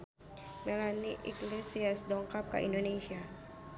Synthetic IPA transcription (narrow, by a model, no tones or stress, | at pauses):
mɛlaniʔḭklesiasd̪ɔŋkap̚ka̰ʔḭndonesia